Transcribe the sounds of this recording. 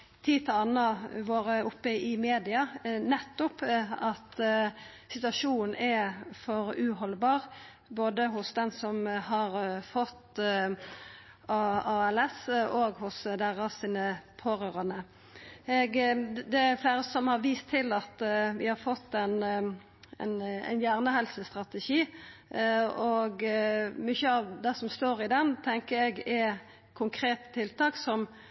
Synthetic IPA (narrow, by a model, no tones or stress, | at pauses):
t̪ʰiːt̪ʰəɑnːɑʋoːɾəʊpːəɪmeːd̪ɪɑnɛt̪ːʊpɑt̪ | sɪt̪ʉɑʂuːnn̩ɛfɔɾʉːɦɔlbɑːʁ | boːd̪əɦʊsd̪ɛnsɔmhɑɾfɔt̪ː | ɑɑɛlɛsoːɡhʊsd̪æʁɑsiːnəpʰoːɾøːʁɑnə | ɛɡd̪ɛæfleːɾəsɔmhɑɾʋiːst̪ʰːɪlɑt̪ʋɪhɑɾfɔt̪ːɛn | ɛ̰næ̰njæːʁnəhɛlsəst̪ɾɑt̪əʃiː | ɔɡmʏçəɑʋd̪ɛsɔmst̪oːɾɪd̪ɛnt̪ʰɛŋkəɾɛɡɛ | kʰʊŋkʰɾeːt̪ə̥t̪ʰɪlt̪ʰɑːksɔm